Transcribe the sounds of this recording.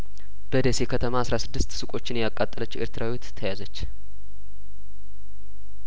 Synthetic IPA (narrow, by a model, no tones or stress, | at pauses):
b̥əd̪esekʰət̪ʰəmaasɾasɨd̪ːɨst̪sɨkʼo̞t͡ʃːɪnjakʼat̪ʼːələt͡ʃːɪ̰ɾt̪ʰɨɾʔawit̪ʰːəjazət͡ʃː